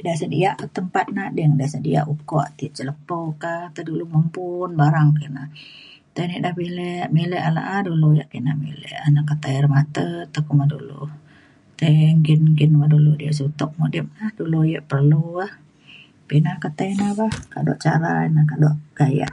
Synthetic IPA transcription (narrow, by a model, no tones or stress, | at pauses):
dasədḭaʔkət̪əmpat̪̚nadiŋdasədia̰ʔukɔʔt̪iʔt͡ʃələpokat̪əduluməmbunbaɾaŋkəna | t̪aniʔdahbilɛʔmelɛʔala̰ʔadulujaʔkinaʔmḛlɛ̰ʔanakət̪ajrmat̪ət̪akumadulṵ | t̪əŋɡinɡinmaduludiasut̪ɔk̚mudɪp̚nahdulujəʔpərluah | pinakət̪ajnabahkaʔdɔ̰ʔt͡ʃaɾa̰nakaʔdɔʔkaja̰ʔ